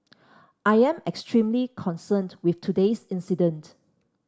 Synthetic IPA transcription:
ʔajɛ̃mɛkstʰɹĩmlikʰɔ̃nsə̃ntwɪftʰudesĩnsidə̃nt

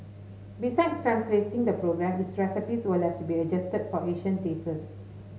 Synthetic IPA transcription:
bisaɪdstɹãnsletĩŋdəpɹoɡɹɛ̃mdisɹɛsəpiswəlɛftubiəd͡ʒɛstəd̚fɔʔeʃə̃nteːsəs

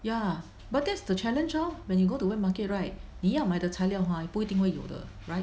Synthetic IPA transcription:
ja | bat̚dɛtsdət͡ʃɛlə̃nd͡ʒɔwɛ̃njuɡotuwɛmakɪt̚ɹaɪt̚nijamaɪdətʰaɪljaʊɦɔ̃ipuitĩŋwejo̰də̰ | ɹaɪt̚

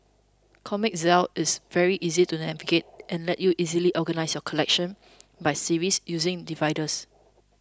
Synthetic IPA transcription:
kʰɔmɪk̚zɛlɪsvɛɹiʔizitunɛviɡet̚ʔɛ̃nlɛtjuʔizəliʔɔɡənaɪsjɔkʰɔlɛk̚ʃə̃n | baɪsiɹisjuzɪ̃ŋdivaɪdəs

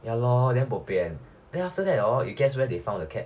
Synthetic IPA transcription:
jalɔdɛ̃npopeɛ̃n | dɛ̃naftədɛtɔḭt̚ɡɛswɛdefãʊ̃ndəkʰɛt̚

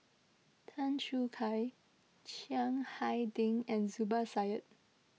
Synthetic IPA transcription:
tʰãnt͡ʃukʰaj | t͡ʃiãŋhajdɪ̃ŋɛ̃nzubəsajət̚

